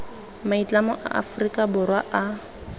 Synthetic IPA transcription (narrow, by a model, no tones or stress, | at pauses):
mait͡ɬʼamɔʔa̰ʔa̰frikʼabʊrwaʔa